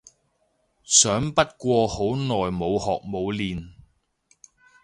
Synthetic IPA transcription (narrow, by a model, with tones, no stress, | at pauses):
sœː˨˥ŋpɐ˥t̚kʷɔː˧ho˨˥wnɔː˨jmo˨˧whɔː˨k̚mo˨˧wliː˨n